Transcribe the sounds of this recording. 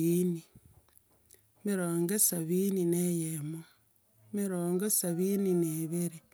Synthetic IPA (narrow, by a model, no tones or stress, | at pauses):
iːni | miɾoːŋɡesaβiːninejemo | miɾoːŋɡesaβiːnineβiɾi